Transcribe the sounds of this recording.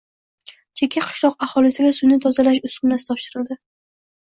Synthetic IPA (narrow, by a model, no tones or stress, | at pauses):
t͡ʃʰekʲʰːaqʰɨ̥ʃlˠɒqaχɒlɪsɪɡʲasʊjnɪt̪ʰɒzalaʃʊskʊnasɪ̥t̪ʰɒpʃɪɾɪld̪ɪ